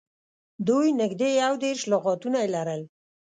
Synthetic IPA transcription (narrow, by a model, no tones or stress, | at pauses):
d̪ujnɪɡd̪ejawd̪eɾʃlʊɣɑt̪unajelaɾəl